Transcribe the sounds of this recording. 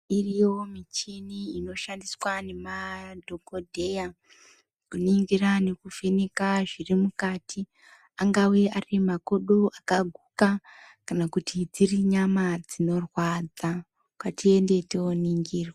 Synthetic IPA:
iriwo̞mit͡ʃiniino̞ʃandiswane̞madʱokodʱe̞ja | kuniŋɡirane̞kufenekaʐirimukaːtʰi | aŋɡaweʔarimako̞ɗo̞ʔakaɡʱukakanakutʰid͡ziriɲamad͡zino̞rwad͡za | kwatie̞nde̞teoniŋɡiːrwa

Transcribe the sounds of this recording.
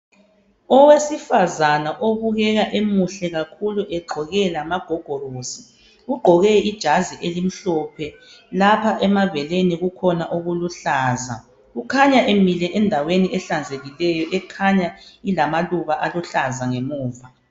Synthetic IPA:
ɔwesifazanaʔoβuɣɛɣaʔemuɬɛɣakʰuluʔɛɡ͡ǃʱɔɣɛlamaɡ̥ʱɔɡ̥ʱɔrozi | ɣuɡ͡ǃʱɔɣɛid̥ʒ̥ʱaziʔelim̩ɬɔpʰɛ | lapʰaʔɛmavɛleniɣukʰɔnaʔuɣuluɬaːza̰ | ɣukʰaɲaʔemilɛʔɛndʱaweniʔɛɬand͡zʱeɣilɛjɔʔɛkʰaɲailamaluβaʔaluɬazaŋemuːva

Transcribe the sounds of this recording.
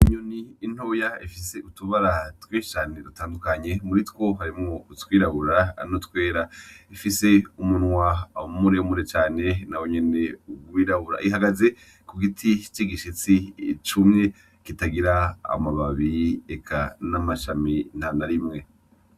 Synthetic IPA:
iɲoniːn̥hoːjaifis̬e̞ʔutuβaɾatweːt͡ʃaneɾutaːndukaɲe̞muɾitwo̞ɦaɾimŋotwiːɾaβuɾanotkwe̞ːɾaifise̞umunwamuɾeumuɾet͡ʃaːne̞nawoɲe̞ne̞uɡwiːɾaβuɾa̰ʔiɦaɡaze̞ | kuɡitʰit͡ʃiɡiʃit͡sit͡ʃumɲe | kitaɡiɾaa̰maβaβiekʰanamaʃaminanaɾimŋe̞

